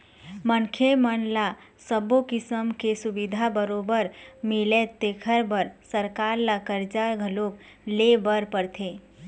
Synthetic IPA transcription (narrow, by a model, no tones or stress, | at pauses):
mənkʰemənla | səbokɪsəmkesubid̪ʱabəɾoːbəɾmɪlet̪ːekʰəɾbəɾsəɾkaːɾlakəɾd͡ʒaɾɡʱəlok | lebəɾpəɾt̪ʰeː